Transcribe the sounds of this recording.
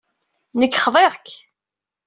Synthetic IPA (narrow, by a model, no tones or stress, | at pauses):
nəkːχðˤeʁk